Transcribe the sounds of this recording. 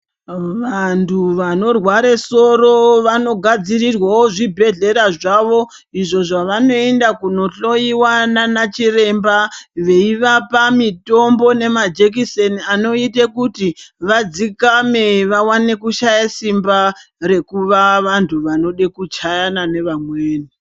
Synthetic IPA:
ʋantʰuʋano̞rwaɾeso̞ɾo̞ʋano̞ɡʱad͡zirirwawoʐibʱe̞ɮe̞ɾaʐaʋo̞ | iʐo̞ʐaʋano̞endakuno̞ɬo̞iwananat͡ʃire̞mbaʋe̞iʋapamitombo̞ne̞mad͡ʒek̬iseniano̞itekutiʋad͡zikameʋawane̞kuʃajasimbaɾe̞kuʋaʋantʰuʋano̞ɗekut͡ʃajanane̞ʋamweːni

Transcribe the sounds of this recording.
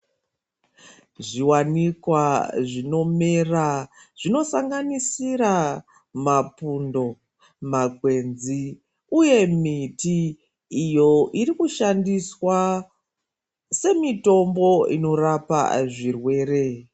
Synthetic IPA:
ʐiwanikwaʐino̞meraʐ̥ino̞saŋɡanisiɾa | mapundo̞ | makwe̞nzi | uje̞mitiː | jo̞ʔiɾikuʃandiswa | se̞mito̞mbo̞ino̞rapa̰ʐirwe̞ːɾe̞

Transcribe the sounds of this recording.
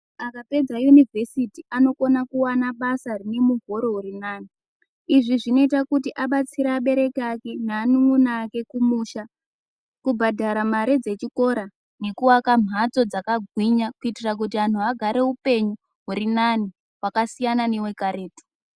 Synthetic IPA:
akape̞d͡zajunivʱe̞sitiʔano̞ko̞nakuwanaɓasarine̞muɡʱo̞ɾo̞ɦuɾinaːni | iʐiʐino̞itakutiʔaɓat͡siɾaːɓe̞ɾe̞kake̞naːniŋunaːke̞kumuʃa | kubʱadʱaɾamaɾed͡ze̞t͡ʃiko̞ɾa | ne̞kuwakam̤ʱat͡so̞d͡zakaɡʱwiɲakuitirak̬utian̤uaɡʱaɾe̞upe̞ɲu | ɦuɾinani | wakasijanane̞we̞kaɾe̞ːti̥

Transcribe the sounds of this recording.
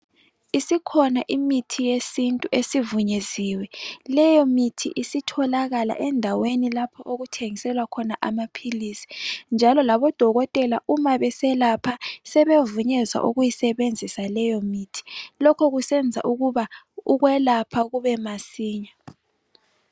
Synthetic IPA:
isikʰɔnaʔimitʰijesintʼuʔesivuɲeziːwɛlɛjɔmitʰḭʔisitʰɔlaɣala̰ʔɛndʱawenilapʰɔʔoɣutʰeŋisɛlwakʰɔnaʔamapʰilisi̥nd͡ʒʱalɔlaβɔd̥ʱɔɣɔtʼɛlaʔumaβɛsɛlapʰasɛβevuɲɛza̰ʔuɣujisɛβend͡zʱisalɛjɔmitʰi̥lɔkʰɔɣusɛnd͡zʱa̰ʔuɣuβa | uɣwɛlapʰaɣuβɛmasiːɲa

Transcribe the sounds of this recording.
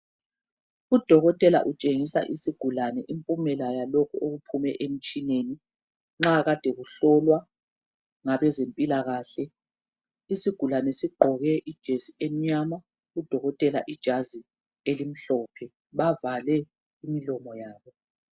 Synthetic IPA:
ud̥ʱɔɣɔtʼɛla̰ʔut͡ʃʼeŋisa̰ʔisiɡ̥ʱulanɛʔimpʼumɛlajalokʰuoɣupʰumɛʔem̩t͡ʃʼineni | ŋ͡ǁaɣad̥ʱɛɣuɬɔlwa | ŋaβɛzempʼilaɣaːɬɛ | isiɡ̥ʱulanɛsiɡ͡ǃʱɔɣɛʔid̥ʒ̥ʱesiem̩ɲama | ud̥ʱɔɣɔtʼɛla̰ʔid̥ʒ̥ʱazi | elim̩ɬɔːpʰɛ | βavalɛ | imilɔmɔjaːβɔ

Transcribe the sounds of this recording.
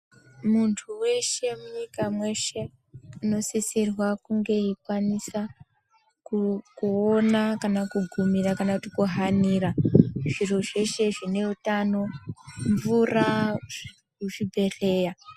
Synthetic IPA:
muntʰuwe̞ʃe̞muɲikamwe̞ʃe̞ | uno̞sisirwakuŋɡe̞ikwanisa | kukuonakanakuɡʱumirakanakutikuɦaniːraʐiroʐe̞ʃe̞ʐine̞utano̞ɱvura | uʐibʱe̞re̞ːja

